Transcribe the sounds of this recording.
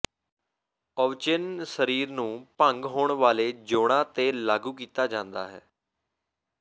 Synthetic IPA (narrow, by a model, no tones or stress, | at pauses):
əʋt͡ʃɪnsəɾiːɾnũːpəŋɡɦoːɳʋaːleːd͡ʒoːɽ̃ãːt̪eːlaːɡuːk̬iːt̪aːd͡ʒãːnd̪a̰ːɦɛ̰ː